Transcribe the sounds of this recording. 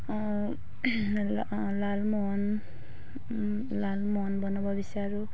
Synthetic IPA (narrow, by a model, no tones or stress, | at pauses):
lalmɔɦn | lalmɔɦnbɔnɔbʌbisaɾu